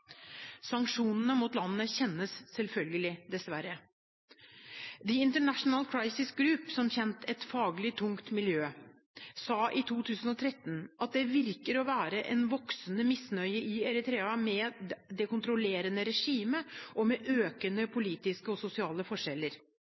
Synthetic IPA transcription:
sɑŋkʂuːnənəmuːt̪lɑnːənəçɛnːəsːɛlfœlɡəlɪd̪ɛsʋæɾə | d̪ɪɪnt̪əɳæʂnəlkʰɾɑɪsɪsɡɾʉːpsɔmçɛnt̪ʰɛt̪fɑːɡlɪt̪ʰʊŋkt̪mɪljøː | sɑːʔɪt̪ʰuːt̪ʰʉːsən̩ɔt̪ʰɾɛt̪ːn̩ʔɑt̪̚d̪ɛʋɪɾkəɾɔʋæːɾəʔɛnʋɔksnəmɪsnœʏəʔɪɛɾɪt̪ʰɾeːɑmɛd̪ɛkʊnt̪ɾʊleːɾənəɾɛʂiːməʔɔmɛʔøːkənəpʰʊliːt̪ɪskəɔsʊsɪɑːləfɔʂɛlːəɾ

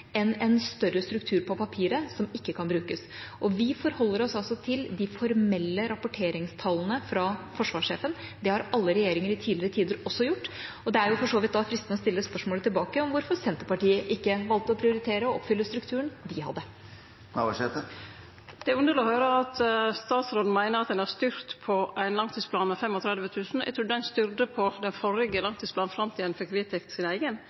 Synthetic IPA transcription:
ɛnɛnst̪œɾəst̪ɾʉkt̪ʰʉːɾpɔpʰɑpʰiːɾəsɔmɪkːəkʰɑnbɾʉːkəs | ʔɔʋɪfɔɾhɔlːəɾɔsɑlsɔt̪ʰɪld̪ɪfɔɾmɛlːəɾɑpʊʈʰeːɾɪŋst̪ʰɑlənəfɾɑfɔʂʋɑːʂeːfənd̪ɛhɑɾɑlːəɾɛjeːɾɪŋəɾɪt̪ʰiːlɪɾət̪ʰiːd̪əɾɔsːɔjʊʈː | ɔd̪ɛæɾjʊfɔʂoːʋɪt̪̚d̪ɑfɾɪst̪nəɔst̪ɪlːəspœʂmoːlət̪ʰɪlbɑːkəɔmʋʊɾfɔɾsɛnt̪əɾpɑʈiːəʔɪkːəʋɑlt̪əɔpʰɾɪʊɾɪt̪ʰeːɾəɔɔpfʏlːəst̪ɾʉkt̪ʰʉːəɳd̪ɪhɑ̰d̪ːə | ʂɛt̪ə | d̪̥ɛæɾʉnd̪əɾlɪɔhœːɾəɑt̪st̪ɑːt̪sɾoːd̪n̩mæɪnəɾɑt̪̚d̪ɛnæst̪ʏɾt̪pʰɔʔæɪnlɑŋt̪ʰiːsplɑːnmɛfɛmɔt̪ʰɾɛd̪ʋət̪ʰʉːsn̩æ̰t̪ɾuːd̪ɛnst̪ʏɾd̪əpʰɔd̪ɛnfɔɾɪɡəlɑŋt̪ʰiːsplɑːnfɾɑmt̪ʰiːd̪ənfɔkʰːɾit̪ʰɪkt̪ʰsɪnæɪɡən

